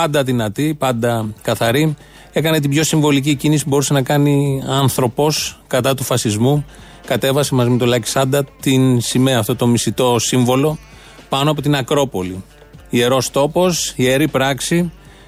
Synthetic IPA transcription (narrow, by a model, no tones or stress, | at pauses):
pɐnd̪ɐðinɐt̪ipɐnd̪ɐkɐθɐɾi | e̞kɐne̞t̪ibʝo̞siɱvo̞liciecinisibo̞ɾuse̞nɐkɐniɐnθɾo̞po̞skɐt̪ɐt̪ufɐsizmu | kɐt̪e̞vɐse̞mɐzime̞t̪olɐci̥sɐnd̪ɐt̪insime̞ɐft̪o̞t̪o̞misit̪o̞siɱvo̞lo̞ | pɐnoɐpo̞t̪inɐkɾo̞po̞li | ie̞ɾo̞st̪o̞po̞sie̞ɾipɾɐksi